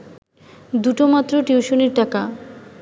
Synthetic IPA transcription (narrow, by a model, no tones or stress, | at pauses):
d̪uʈomat̪ːɾoʈiuʃoneɾʈaka